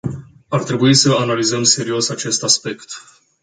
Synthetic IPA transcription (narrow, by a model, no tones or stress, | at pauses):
art̪ɾe̞buisəanalizəmse̞ɾio̞sat͡ʃe̞st̪aspe̞kt̪